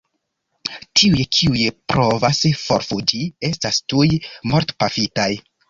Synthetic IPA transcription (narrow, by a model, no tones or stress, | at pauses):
tʰiujekʰiujepɾo̞vasfo̞̰ɾfud͡ʒie̞stastujmoɾtpafitaj